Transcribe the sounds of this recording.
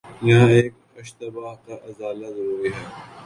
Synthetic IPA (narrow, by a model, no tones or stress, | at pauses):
jɐɦãeːk | ɐʃt̪ɐbaːɦkaʔɐzaːlazɐɾuːɾiɦɛː